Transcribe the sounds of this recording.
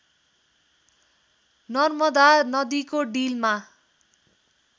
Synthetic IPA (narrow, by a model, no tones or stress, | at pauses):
nʌrmʌd̪anʌd̪ikoɖilma